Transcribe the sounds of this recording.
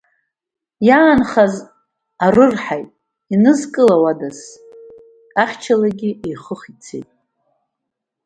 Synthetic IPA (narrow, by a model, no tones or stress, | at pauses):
jaːnχaz | arɨrħajtʼ | inɨzkʼɨlawadas | aχʲt͡ʃʰalaɡʲiʔejχəχit͡sʰḛjtʼ